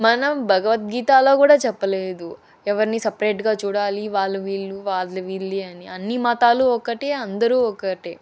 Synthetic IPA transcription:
mɐnɐmbʱɐɡɐʋɐt̪̚ɡiːt̪aːlo̞ːkuːɽaːt͡ʃɛpːɐleːd̪u | ɛʋɐɾinisɐpɾeːʈɡaːt͡ʃuːɽaːliʋaːlːɐʋiːlːuʋaːʈlɐʋiːlːiɐniɐnːimaːt̪aːluɔkːɐʈeɐnd̪ɐɾuːɔkːɐʈeː

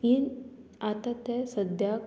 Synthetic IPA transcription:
inat̪at̪ɛsəd̪ʱja

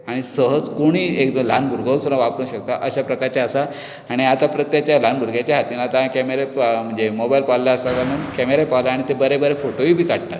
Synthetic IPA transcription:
aɽ̃isəɦəd͡zkoɽ̃iːekd̪əlanbʱuɾɡʱəsuñaʋapɾũːɕəkt̪aʔəɕapɾəkaɾt͡ɕaəsa | aɽ̃iat̪apɾət̪jakt͡ɕjalanbʱuɾɡʱjat͡ɕjaɦat̪iːnaat̪akɛmeɾem̤əɳd͡zemobailpalːaəsakanunkɛmeɾepawlaaɽ̃it̪ebəɾebəɾefoʈoiːbʱiːkaɽʈ̪a̰

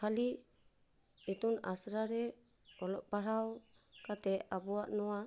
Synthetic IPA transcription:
kali | it̪una̰sɾaɾe | olopaɾaw | kat̪eabuaʔnoa

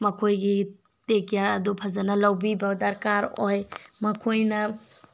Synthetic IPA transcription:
mɐkʰojɡi | tekijaɐdupʰazanɐlawbibɐdɐɾkaɾojmɐkʰojnɐ

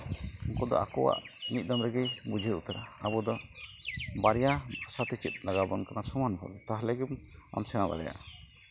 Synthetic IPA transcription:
ɔŋkɔd̪ɔ̰ʔa̰kɔwa̰ʔmit̪̚ˀd̪amɾɛɡɛbud͡ʒʱiɾut̪aɾaːbɔd̪ɔ | baɾjabasat̪ɛt͡ʃit̪̚ˀlaɡabɔnkanasumanbʰʱabɛt̪aɦlɛɡɛba̰msɛŋaba̰ɾɛ̰ja̰ʔ

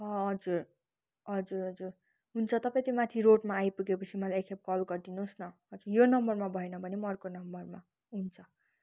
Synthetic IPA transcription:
ʌɦʌd͡zur | ɦʌd͡zuɾɦʌd͡zur | ɦunt͡sʰʌt̪ʌpaj̃t̪omat̪ʰiroʈmaːjpuɡepʌt͡sʰimʌlajekʰep̚kʌlɡʌrd̪inusnʌɦʌd͡zurjonʌmbʌrmabʱʌenʌbʱʌnemʌrkonʌmbʌrma | ɦunt͡sʰʌ

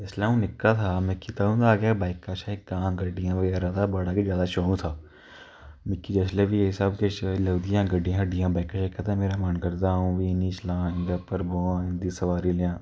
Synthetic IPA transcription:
d͡ʒɛːslaũnɪkːat̪ʰaːmɪ̃kːit̪aːũd̪aːɡjabaːɪkːaːʃaekːãːɡəɖijãːbəɡɛːɾat̪ʰabaːɽakezjaːd̪aʃoːũt̪ʰaː | mɪkːid͡ʒɛːslebʱiɪsabkelɐːd̪ijãːɡəɖijãɖijãːbaːɪkːaʃaɪkːat̪ʰameːɾamaːnkəɾd̪aːɦũːʋiːniʃlãːɪ̃nd̪əpəɾboːãːɪ̃nd̪isɐʋaːɾiljãː

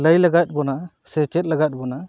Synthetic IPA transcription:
ləjlaɡat̪̚ˀbɔna | sɛt͡ʃɛt̪̚laɡat̪̚ˀbɔna

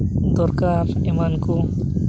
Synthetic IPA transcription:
d̪ɔɾkaɾ | emanko

